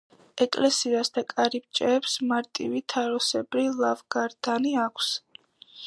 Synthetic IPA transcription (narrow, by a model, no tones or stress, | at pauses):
ɛkʼlɛsiasd̪akʼaɾip̚t͡ʃʼɛːpsmaɾt̪ʼivit̪ʰaɾɔsɛbɾilˠavɡ̥aɾd̪aniakʷʰs